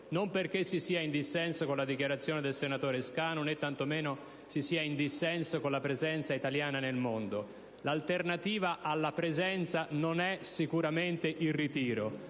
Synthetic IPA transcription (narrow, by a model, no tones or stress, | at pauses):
nomperkesːisiːaind̪isːɛnsokonlad̪ikjaɾat̪sːjoːned̪elsenat̪oːɾeskaːnonet̪ːant̪omeːno | sisiːaind̪isːɛnsokonlapɾezɛnt̪sait̪aljaːnanelmond̪o | lalt̪ernat̪iːvaʔalːapɾezɛnt̪sanonɛsikuɾament̪eʔilrit̪iːɾo